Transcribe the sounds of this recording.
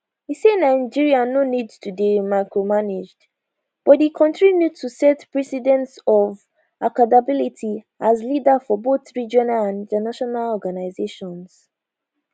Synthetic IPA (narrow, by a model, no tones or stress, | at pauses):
isenaɪ̃d͡ʒiɹianonidtʰudemaɪkɹomaned͡ʒd | b̥ɔt̚ðikʰɔ̃ntʰɹibjutʰusɛtpɹɛsidɛ̃ntsɔv | ʔakadabilitʰi | ʔazlidafɔboθɹid͡ʒɔnalãnĩtənaʃɔnalɔɡanaɪzeʃɔ̃ns